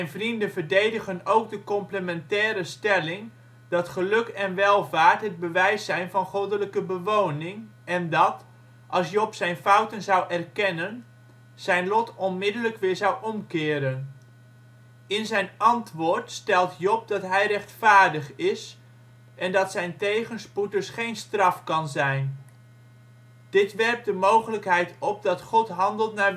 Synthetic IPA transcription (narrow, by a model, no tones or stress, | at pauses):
sɛjnvrindəvəɹdejdəχənowɡ̚dəkɔmpləmɛntɛːɾəstɛlɪŋ | dɑtχəlɵkɛnʋɛlˠvaːɹtɦəd̚bəʋɛjsɛjnvɑnχowdələkəbəʋownɪŋ | ɛndɑt | ʔɑlˠsjɔpsɛjnfɑwtənzɑwʔɛrkɛnən | z̥ɛjnlɔtɔnmɪdələkʋɪːɹzɑwɔmkɪːɾən | ɪnzɛjnɑntʋʊːɹtstɛlˠtjɔp̚dɑtɦɛjrɛχtfaːɹdəχɪs | ʔɛndɑtsɛjntejχənsputəsχejnstrɑfkɑnzɛjn | d̥ɪtʋɛrk̚dəmowχələkɦɛjtɔp̚dɑtχɔtɦɑndəlˠtnaːɹ